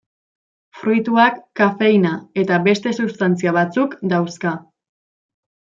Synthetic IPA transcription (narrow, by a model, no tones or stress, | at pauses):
fɾujt̪uakːafe̞jnae̞t̪aβe̞st̪e̞sust̪ant͡siaβ̞at͡sukd̪awska